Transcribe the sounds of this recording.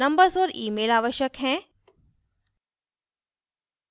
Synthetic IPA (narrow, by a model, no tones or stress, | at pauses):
ɐ̃mbəɾsɔːɾḭːmeːlaːʋəʃjəkɦɛ̃ː